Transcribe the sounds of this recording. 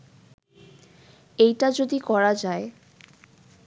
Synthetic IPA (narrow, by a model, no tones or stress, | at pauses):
ejʈad͡ʑod̪ikɔɾad͡ʑae